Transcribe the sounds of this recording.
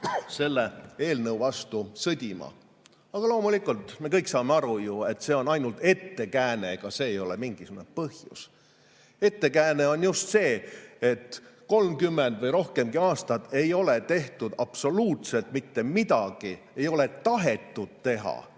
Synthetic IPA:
se̞lːee̞ːlnɤwvɑst̪usɤd̪ʲimɑ̰ | ɑɡ̥ɑlo̞ːmulikˑult̪mekɤjksɑːmeɑɾujue̞t̪ːˑse̞ːo̞nɑjnult̪e̞t̪ːe̞kæːnekɑse̞ːjo̞lemiŋɡ̥isuɡunepɤhjṵs | e̞t̪ːe̞kæːne̞o̞njust̪se̞ːet̪ko̞lmkymːend̪̥vɤjɾo̞hke̞mɡiɑːst̪ɑd̪e̞jo̞let̪e̞ht̪ud̪̥ɑpso̞luːt̪se̞lt̪mit̪ːe̞mid̪̥ɑɡ̥i | e̞jo̞le̞t̪ɑɦe̞t̪ːˑud̪̥̚t̪e̞ɦɑ̰

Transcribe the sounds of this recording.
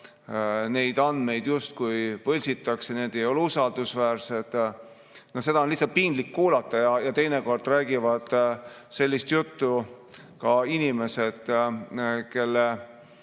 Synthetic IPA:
ne̞jd̪̥ɑnd̪̥me̞jd̪̥just̪̚kujpɤlʲsit̪ːˑɑkseneːd̪̥e̞jo̞lusɑld̪̥usvæːrse̞d̪̥ | no̞hse̞d̪̥ɑonlihsːɑt̪̚pinɡ̥̪likːuːlɑt̪ːˑɑjɑjɑt̪e̞jneko̞rd̪ræːɡivɑd̪̥se̞lʲːist̪jut̪ːu | kɑinime̞se̞d̪̥ | ke̞lːe

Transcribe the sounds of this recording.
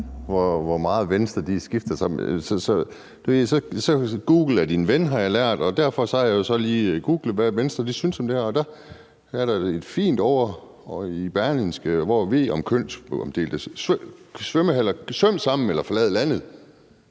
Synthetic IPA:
ʋɒʋɒmɑ̈ːð̩ˠʋensd̥ʁɐd̥isɡ̥ifd̥ɐsɑ̽m̰sɒsɒ̽ | d̥e̝ʋe̝ð̰ˠsɒ̽sɒ̽ɡ̥uːɡ̥l̩æɐd̥inʋenɦɑ̈jɑ̈læɐ̰d̥ɒ̽d̥æɐfɒ̽sɒæjajo̝sɒ̽liːɡ̥uːɡ̥ləʋæʋensd̥ʁɐd̥isynsɒ̽md̥e̝æɐɒ̽d̥æ | æɐɾɑ̈e̝d̥fḭːnd̥ɒ̰ʊ̰ɐ | ib̥æɐlinsɡ̥əʋɒʋe̝̰ːɒ̽mkʰøn̰sɒmd̥e̝̰ːld̥əssʋøməɦæl̰ɐsʋøm̰sɑ̈m̰n̩elɐfɒ̽lɛːð̞̩ˠlænð̩ˠ

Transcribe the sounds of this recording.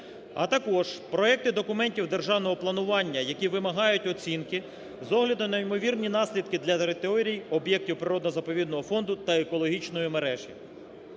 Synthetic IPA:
ɐ̰t̪ɐkɔʒpɾɔɛk̚t̪ɪd̪ɔkʊmɛnʲtʲiwd̪e̞rʒɑwnɔɦɔplˠɐnʊʋɑnʲːɐjɐkʲiʋɪmɐɦɑjʊtʲɔt͡sʲinkɪ | zɔɦlʲɐd̪ʊnɐimɔʋʲirnʲinɑsʲlʲid̪̚kɪd̪lʲɐt̪eɾɪt̪eɔɾʲijɔbjɛk̚tʲiwpɾɪɾɔd̪nɔzɐpɔʋʲid̪nɔɦɔfɔnd̪ʊt̪ɐekɔlˠɔɦʲit͡ʃnɔjʊmeɾɛʒi

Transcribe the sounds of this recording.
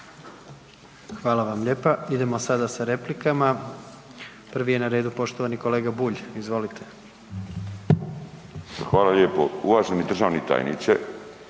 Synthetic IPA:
xʋaːlaʋamʎe̞ːpaid̪e̞mosad̪asaɾe̞plikama | pr̩ʋijenaɾe̞ːd̪upo̞ʃt̪oʋaniko̞leːɡabuːʎizʋo̞lit̪ʰe̞̥ | xʋaːlalʎeːpouʋaʒenid̪r̩ʒaːʋnit̪a̰ːjnḭt̪se

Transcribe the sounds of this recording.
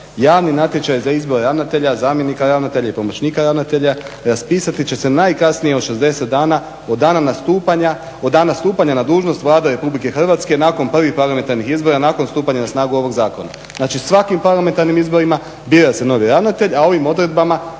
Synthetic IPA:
jaːʋninat̪jet͡ʃajzaizbo̞ɾeɾaʋnat̪e̞ʎazaːmjenikaɾaʋnat̪e̞ʎaipo̞mo̞t͡ɕniːkaɾaʋnat̪e̞ʎaɾaspiːsat̪it͡ɕe̞se̞najkasnije̞oʃe̞zd̪e̞set̪̚d̪aːna | od̪aːnanast̪uːpaɲa | od̪d̪aːnast̪uːpaɲanad̪uːʒno̞st̪ʋlˠaːd̪eɾe̞publike̞xr̩ʋat̪ske̞naːko̞npr̩ʋixpaɾlˠament̪aɾnixizbo̞ɾanako̞nst̪uːpaɲanasnaːɡuo̞ʋo̞ɡzaːko̞na̰ | znaːt͡ʃisʋakimpaɾlˠame̞nt̪aɾnimizbo̞ɾima | bjiɾase̞no̞ʋiɾaʋnat̪e̞ʎao̞ʋimo̞d̪ɾe̞d̪̚bama

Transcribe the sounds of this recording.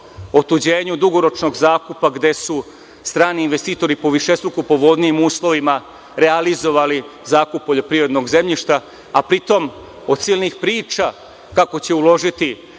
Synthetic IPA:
o̞t̪ud͡ʑe̞ːɲud̪uɡo̞ɾo̞t͡ʃno̞ɡzaːkupaɡd̪e̞su | st̪ɾaːniːnʋe̞st̪iːt̪o̞ɾipo̞ʋiʃe̞st̪ɾokupo̞ʋo̞d̪nijimuːslˠo̞ʋima | ɾealizo̞ʋalizaːkuppːo̞ʎo̞pɾiʋɾe̞d̪no̞ɡze̞mʎiʃt̪a | apɾit̪o̞m | od̪̥̚siːlnixpɾiːt͡ʃa | kako̞t͡ɕe̞ulo̞ʒit̪i

